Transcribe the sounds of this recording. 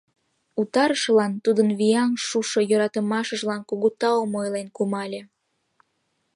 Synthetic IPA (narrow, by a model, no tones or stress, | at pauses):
ut̪ɑɾəʃlɑnt̪ud̪ənβiɑnʃuʃojøɾɑt̪əmɑʃəʒlɑnkuɣut̪ɑomojlenkumɑlʲe